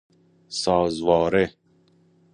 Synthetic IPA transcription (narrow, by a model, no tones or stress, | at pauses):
sɑːzwɑːɾe